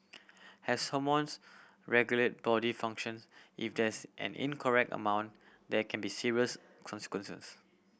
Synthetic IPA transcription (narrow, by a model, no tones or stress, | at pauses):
hɛsə̃mwɔ̃ns | ɹɛɡjulət̚b̥ɔdifãŋkʃə̃nsʔḭfdɛsʔɛ̰̃nḭ̃nkʰɔɹɛk̚tə̰mãʊw̃n | dɛkʰɛ̃nbisiɹiəs | kʰɔ̃nsi̥kwə̃nsə̰s